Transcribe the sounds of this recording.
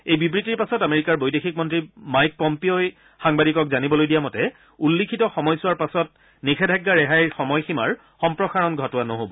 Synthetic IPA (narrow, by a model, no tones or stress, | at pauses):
ejbibɹitiɹpasɔtameɹikaɹbojdexik̚mɔntɹimajk̚pɔmpioj | xaŋbadikɔkzanibɔlojdijamɔtɛ | ulːikʰitɔxɔmɔjsʊwaɹpasɔt̚ | nikʰɛdʱaɡːaɹɛɦajɹxɔmɔjximaɹ | xɔmpɹɔxaɹɔnɡʱɔtʊwanoɦobɔ